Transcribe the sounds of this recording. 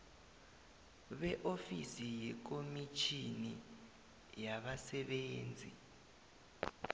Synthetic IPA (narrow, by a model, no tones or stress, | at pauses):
ɓɛʔofisijɛk̬omit͡ʃʰini | jaɓasɛɓeːnd͡zʱḭ